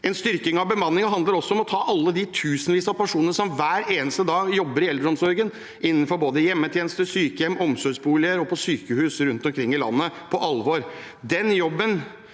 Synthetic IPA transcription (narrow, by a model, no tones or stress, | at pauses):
ɛnst̪ʏɾkɪŋɑʋbəmɑnːɪŋəɦɑnd̪əɾɔsːɔɔmɔt̪ʰɑːʔɑlːəd̪ɪt̪ʰʉːsənʋiːsɑpʰæʂuːnənəʂɔmʋæːɾeːnəst̪əd̪ɑːɡjɔbːəɾɪɛld̪ɾɔmsɔɾɡən | ʔɪnːən̩fɔɾboːd̪əjɛmːət̪ʰjeːnəst̪əsyːkəjɛmːɔmsɔʂbuːlɪəɾɔpʰɔsyːkəhʉːsəɾʉnt̪ɔmkʰɾɪŋːɪlɑ̰nːəpʰɔʔɑlʋɔɾ | d̪ɛnjɔbːən